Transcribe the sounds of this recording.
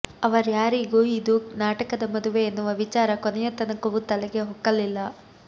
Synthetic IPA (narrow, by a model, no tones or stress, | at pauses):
ɐʋɐɾjaːɾiɡuːid̪unaːʈɐkɐd̪ɐmɐd̪uʋe̞ːnːuʋɐʋit͡ʃaːɾɐkonɛjɐt̪ɐnɐkɐʋut̪ɐlɐɡe̞ɦɔkːɐlilːɐ